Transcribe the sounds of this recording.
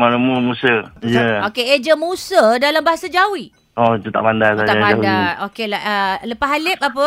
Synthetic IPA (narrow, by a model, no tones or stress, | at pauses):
manəmumusəjəokeed͡ʒəmusədalambaɦasad͡ʒawi | ɔd͡ʒut̪a̰ʔpandasad͡ʒ̪aaad͡ʒadaokelaʔələpaɦalɪp̚apə